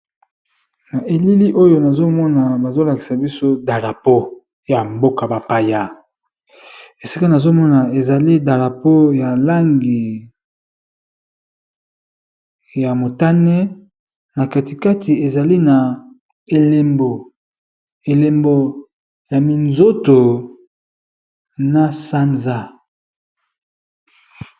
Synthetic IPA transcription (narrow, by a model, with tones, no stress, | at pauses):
na˨ʔe˨li˦li˦ʔo˦jo˦na˨zo˦mɔ˦na˨ba˨zo˦la˨ki̥˨sa˨bi˦so˦da˨ʁa˨po˦ | ja˨mbo˦ka˨ba˨pa˨ja˦˨ | e˨si˦ka˦na˨zo˦mɔ˦na˨e˨za˨li˦da˨ʁa˨po˦ja˨la˦ŋɡi˨ | ja˨mo˨ta˦nɛ˦ | na˨ka˨ti˨ka˦ti˨e˨za˨li˦na˨ | e˨le˨mbo˨ | e˨le˨mbo˨ | ja˨mi˨nzo˦to˨ | na˦sa˦nza˦